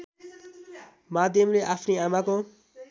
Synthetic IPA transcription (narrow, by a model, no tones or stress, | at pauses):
maːd̪əmleʔapʰniamãko